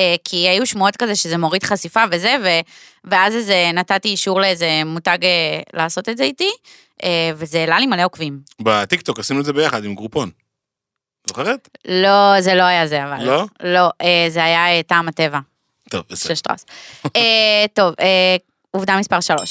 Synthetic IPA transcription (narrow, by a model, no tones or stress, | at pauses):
ekʰiajuʃmuot̪kazeʃezemo̞ʁid̪χasifaveze̞ve | veazezenatatiiʃuʁleeze̞mutaɡelaːso̞t̪etzeiti | ʔevezeːlalimaleo̞kvimbat̪ikto̞kasinuedzeejaχadimɡʁupo̞n | zoχeʁet̪lozelo̞ajazeavallolo̞ʔezeajaetaːmate̞va | t̪ovʃeʃtʁa̰seto̞ve | uvd̪amispaʁʃalo̞ʃ